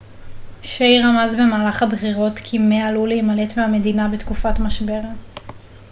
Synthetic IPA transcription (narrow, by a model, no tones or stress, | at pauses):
ʃejʁamazbe̞maːlaχhabχiʁo̞tkʰimealuleimale̞tmeame̞dinabetkufatmaʃbe̞ʁa